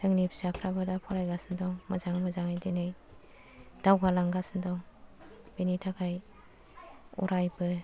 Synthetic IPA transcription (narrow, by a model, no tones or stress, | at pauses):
tɯŋnipʰisapʰɾabɯdapʰɔɾajɡasndɔŋmɯzaŋmɯzaŋajdinɯj | d̥awɡalaŋɡasndɔŋ | b̥enitʰakʰaj | ṵɾajbɯ